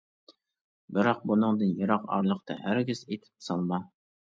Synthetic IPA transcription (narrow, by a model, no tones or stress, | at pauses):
bɪɾɑq̚bʊnɨŋd̪ɪnjɪɾɑqɒ̰ɾlˠɨqt̪ʰa̰hæɾɡʲɪzet̪ʰɪ̥psɒlˠmɑ